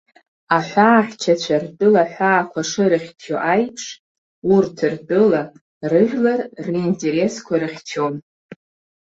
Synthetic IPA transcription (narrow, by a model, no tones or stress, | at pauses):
aħʷaːχʲt͡ʃʰat͡ɕʷʰart͡pʼʊlaħᶣʷaːkʷʰaʂɨɾɨχʲtʰoʔajpʰʂ | urtʰɨrt͡pʼɨla | rɨʒʲᶣlarriːntʼe̞ɾe̞skʷʰaɾɨχʲtʰon